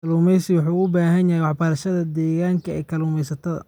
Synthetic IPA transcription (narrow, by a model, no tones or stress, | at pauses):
kɐluːmɛjsɪwʊħuːʊbaːɦɐnjɐhjwɑħbɐɾɐʃɐðɐd̪ɛːɣaːŋkʰɐɛ̰ːkʰɐluːmɛjsɐt̪ʰɐðɐ̰